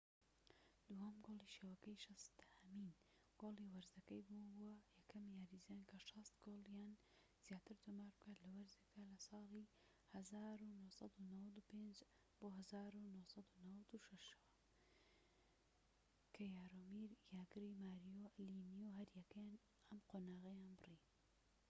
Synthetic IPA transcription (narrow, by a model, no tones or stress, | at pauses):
d̪̥uhɐmɡoːlˠiʃeːwɐkɐjʃɐst̪hɐmiːn | ɡ̥oːliwɐɾzɐkɐjbunbuwɐjɐkʰɐmjaːɾizankʰɐʃɐst̪ɡolˠjaːn | z̥jaːt̪ɨɾt̪ʰumaːɾbɨkaːt̪lɐwɐɾzekalɐsˤɑːli | hɐzaːɾunohsɑd̪unɐwɐd̪upend͡ʒ | b̥oːɦɐzaːɾunohsˤɑd̪unɐwɐd̪uʃɐʃɐwɐ | kʰɐjaːɾomiɾjaːɡɨɾimaːɾijolinijoɦɐɾjɛkɐjan | ɐmqoːnaːɣɐjaːnbɨrin